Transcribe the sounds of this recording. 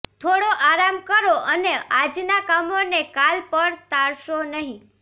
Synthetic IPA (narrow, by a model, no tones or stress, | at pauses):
t̪ʰoɽoʔaɾamkəɾoʔənead͡ʒnakamonekalpəɳt̪aɭʃonəɦĩ